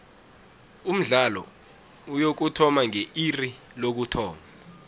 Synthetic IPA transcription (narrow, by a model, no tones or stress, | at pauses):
um̩ɮalɔ̰ | ujok̬utʰɔmaŋeiri | lok̬utʰɔːma